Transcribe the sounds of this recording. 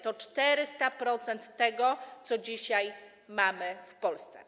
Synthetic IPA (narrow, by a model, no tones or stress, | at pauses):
t̪ɔt͡ʂt̪ɛɾɘst̪apɾɔt̪sɛnt̪ːɛɡɔt̪sɔd͡ʑiɕaj | mamɘfpɔlst̪sɛ̰